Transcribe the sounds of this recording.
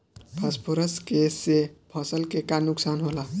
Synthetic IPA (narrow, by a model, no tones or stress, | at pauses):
bʱaspʰoɾəskesepʰʌsəlkekanuksanɦola